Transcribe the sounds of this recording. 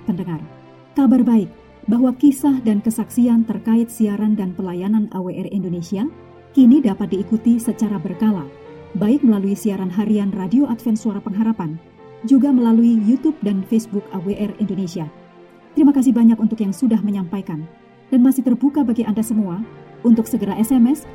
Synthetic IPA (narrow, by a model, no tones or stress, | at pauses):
pəndəŋar | kabarbaɪk̚ | baɦwakisahdankəsaksiant̪ərkaɪt̪̚siaɾandanpəlajananaweʔɛrindonesia | kinidapat̪̚diːkut̪isət͡ʃaɾabərkala | baɪk̚məlaluisiaɾanɦaɾianradioʔat̪fɛnsuaɾapəŋɦaɾapan | d͡ʒuɡaməlaluijut̪up̚danfesbukaweʔɛrindonesia | t̪əɾimakas̬ɪhbaɲakunt̪ʊkjaŋsudahməɲampajkan | d̥anmasɪht̪ərbukabaɡiʔandasəmuaunt̪ʊksəɡəɾaʔɛsɛmɛs